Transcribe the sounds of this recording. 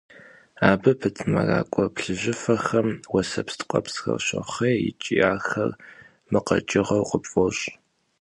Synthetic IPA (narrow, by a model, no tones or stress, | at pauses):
aːbɨpʰɨtʰɨmɐra̰ːkʷʼɔpɬɨʑɪfɐxɐmwɐsɐpstqʷʼɐpsxɐ̰ɕɐχeːjɪ̰t͡ʃʼiaːxɐr | mɨqɐt͡ʃʼɪʁɐwqʼəpʼoɕʼ